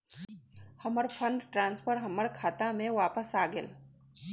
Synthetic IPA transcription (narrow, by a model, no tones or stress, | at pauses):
hɐməɾpʰə̃ɳɖʈɾãːnspʰəɾɦɐməɾkʰaːt̪ãmẽʋaːpəsaːɡəl